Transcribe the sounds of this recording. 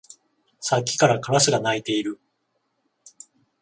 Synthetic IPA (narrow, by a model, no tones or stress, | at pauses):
sakʲːi̥kaɾakaɾasɨɡanait̪e̞iɾɯ̟